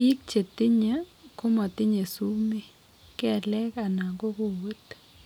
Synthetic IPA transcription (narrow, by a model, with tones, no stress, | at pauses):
i˦k̚t͡ʃe˨t̪i˦ɲa˦ko˦ma˨t̪ɪ˦ɲe˨su˦mi˦ | kɛ˨lɛ˦ka˨na˨ɡɔ˦ko˦wo˦t̪